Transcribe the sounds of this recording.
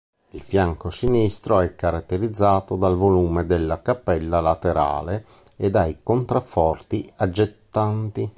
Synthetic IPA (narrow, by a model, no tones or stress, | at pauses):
ilfjaŋkosinist̪ɾoɛkːaɾat̪ːeɾid̪zːaːt̪od̪alvoluːmed̪elːakapːɛlːalat̪eɾa̰ːle | ed̪ajkont̪ɾafːɔrt̪iad͡ʒːet̪ːant̪i